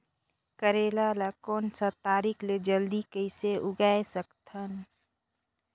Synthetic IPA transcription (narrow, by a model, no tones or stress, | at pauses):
kəɾeːlalakoːnsət̪aːɾikʰled͡ʒəld̪ikəɪseʔʊɡaesəkt̪ʰən